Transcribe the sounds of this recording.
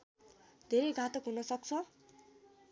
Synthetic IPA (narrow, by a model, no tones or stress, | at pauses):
d̪ʱeɾʌjɡʱat̪ʌkɦunʌsʌk̚t͡sʰʌ